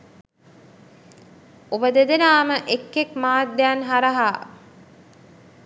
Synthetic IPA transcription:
obəd̪ed̪enaːməʔekːekmaːd̪ːaːnɦaɾɐɦaː

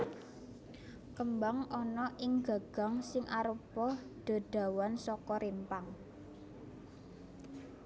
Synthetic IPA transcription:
kəmbaŋʔɔnɔʔɪŋɡa̤ɡ̥a̤ŋsɪŋʔaɾəpɔɖ̪̥a̤ɖ̪̥a̤wansɔkɔɾimpaŋ

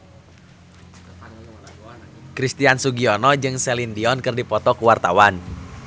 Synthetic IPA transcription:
kɾist̪iansuɡiɔnɔd͡ʒɨŋsɛlindiɔnkɨrdipɔt̪ɔkuwart̪awan

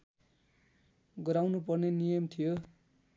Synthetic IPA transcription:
ɡʌɾawnupʌrnenijʌmt̪ʰijo

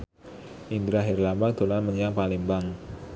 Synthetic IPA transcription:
ʔind̪ɾaɦɛrlamad̪̥o̤lanməɲjaŋpalimbaŋ

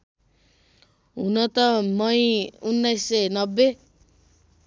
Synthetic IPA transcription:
ɦunʌt̪ʌmʌjunːajsːʌnʌbːe

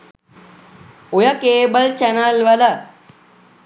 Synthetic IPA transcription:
ojəkeːbəlt͡ʃænəlʋələ

